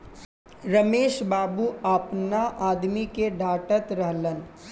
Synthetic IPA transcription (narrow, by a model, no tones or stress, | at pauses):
ɾɐmeːʃbaːbuapnaʔaːd̪mikeɖʱaːʈət̪ɾəɦlən